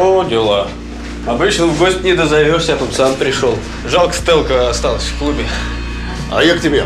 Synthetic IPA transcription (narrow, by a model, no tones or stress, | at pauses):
odʲɪlˠa | ɐbɨt͡ɕnəɡo̞sʲtʲnʲɪd̪əzɐvʲosʲat̪ot̪sampɾʲɪʂolˠ | ʐalˠkə̥st̪ɛlˠkəɐst̪ɑlˠəsʲfklˠubʲɪ | a̰jaktʲɪbʲe